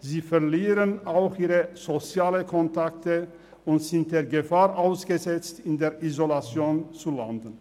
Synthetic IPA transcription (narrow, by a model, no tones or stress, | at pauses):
ziːfɛɐliːʁənaʊxʔiːʁəz̥ot͡sjaːləkʰɔntʰaktə | ʊntz̥ɪnt̚d̥eːɐɡəfaːʁʔaʊsɡ̥əzɛt͡stɪndeːɐʔizolat͡sjoːnt͡sulandən̩